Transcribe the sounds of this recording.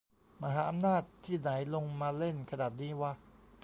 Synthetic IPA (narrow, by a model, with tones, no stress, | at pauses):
ma˧ɦaː˩˦ʔa˧mnaː˥˩t̪ʰːiː˥˩na˩˦jlo˧ŋmaː˧le˥˩nkʰa˧naː˨˩t̪̚niː˦˥waː˥˩